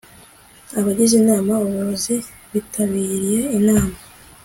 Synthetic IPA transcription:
aβaɟiʒinaːmauβuozi | βitʰaβiːɾije̞inaːma

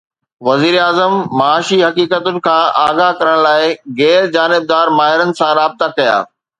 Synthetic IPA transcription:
ʋɐziːɾaːzəmːɐaːʃiɦɐkiːkət̪ʊnɪ̆kʰãːʔaːɡaɦkɐɾəɽ̃laːɪɣɛːɾd͡ʑaːnɪb̚d̪aːɾmaːɦɪɾənɪ̆sãɾaːb̚t̪akɐja̰ː

